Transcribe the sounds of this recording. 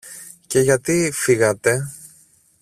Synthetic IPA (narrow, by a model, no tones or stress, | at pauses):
ce̞ʝɐt̪ifiɣɐt̪e̞